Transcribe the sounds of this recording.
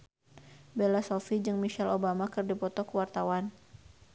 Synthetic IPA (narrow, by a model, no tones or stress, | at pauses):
belasɔlfid͡ʒɨŋmiʃɛlobamakɨrdipɔt̪ɔkəwart̪awan